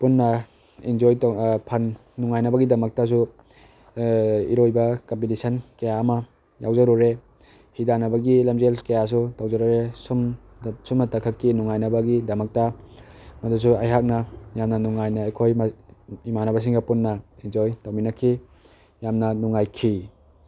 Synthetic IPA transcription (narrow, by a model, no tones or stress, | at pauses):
punːɐ | ind͡ʒojtpʰɐnːuŋajnɐbɐɡidɐmɐk̚tas̬u | ḭɾojbɐkɐmpitisɐnkɐjaːmɐ | jawzɐɾuɾe | hidanɐbɐɡilɐmzelkajas̬utawzaɾuɾesum | sumnɐtɐkʰɐkːinuŋajnɐbɐɡidɐmɐk̚ta | mɐdus̬uɐjɦak̚nɐjamnɐnuŋajnɐejkʰojmimanɐbɐs̬iŋɡɐpunːɐind͡ʒojtawminɐkʰːi | jamnɐnuŋajkʰi